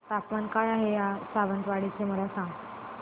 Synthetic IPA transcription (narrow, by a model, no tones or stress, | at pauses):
t̪apmankaɭaɦejasaʋənt̪ʋaɽit͡seməlasãŋɡ